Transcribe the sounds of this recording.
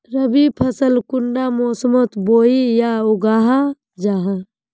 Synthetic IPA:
ɾəbipʰəsəlkuɳɖamoːsəmot̪boːijauɡaːɦa | d͡ʒaːɦã

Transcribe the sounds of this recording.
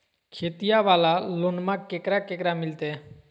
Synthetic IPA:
kʰet̪ijaʋalalonmakːekɾakekɾamilt̪e

